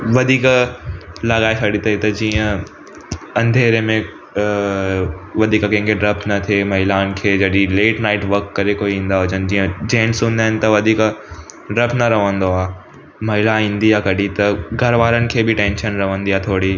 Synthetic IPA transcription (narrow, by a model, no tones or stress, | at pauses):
ʋɐd̪ʱiːk | lɐɣaːesʰɐɽit̪ɐit̪ɐd͡ʑiːə̃ | ɐ̃nd̪ʱeːɾemẽ | ʋɐd̪ʱiːkkɐ̃ɦŋkʰeɖɾɐpnɐt̪ʰemɐɦɪlaːnɪ̆kʰeːd͡ʑɐɗileːʈnaːɪʈʋɐɾkːɐɾekoiĩːn̆d̪aɦʊd͡ʑənɪ̆d͡ʑiːə̃d͡ʑẽːnsũːnd̪aːɦɪnɪ̆t̪ɐʋɐd̪ʱiːk | ɖɾɐpnɐɾɐʋə̃nd̪oaː | mɐɦɪlaĩːn̆d̪ijaːkɐɗit̪ɐɡʱɐɾʋaːɾənɪ̆kʰeːbʱɪʈẽːnʃənɾɐʋə̃nd̪iaːt̪ʰoːɽi